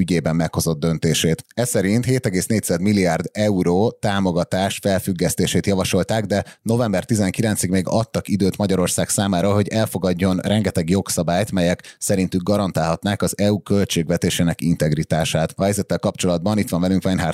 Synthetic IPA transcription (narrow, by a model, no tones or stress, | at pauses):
yɟeːbɛmːɛkho̞zo̞d̪̚ːø̞nt̪eːʃeːt̪ɛsɛɾint̪heːt̪ɛɡeːsneːc̪t̪sad̪milːiard̪ɛuɾoːt̪aːmo̞ɡɒt̪aːʃfɛlfyɡːɛst̪eːʃeːt̪jɒvɒʃo̞lt̪aːɡd̪ɛno̞vɛmbɛrt̪izɛŋkilɛnsiɡmeːɡɒ̰t̪ːɒkid̪øːt̪mɒɟɒɾo̞rsaːksaːmaːɾɒɦo̞ɟɛlfo̞ɡɒɟːo̞nrɛŋɡɛt̪ɛɡjo̞ksɒbaːjt̪mɛjɛksɛɾint̪yɡːɒɾɒnt̪aːlɦɒt̪naːkɒzɛukø̞lt͡ʃeːɡvɛt̪eːʃeːnɛkint̪ɛɡrit̪aːʃaːt̪ɒhɛjzɛt̪ːɛlkɒpt͡ʃo̞lɒd̪̚bɒnit̪ʋɒɱvɛlyŋkʋɛnɦar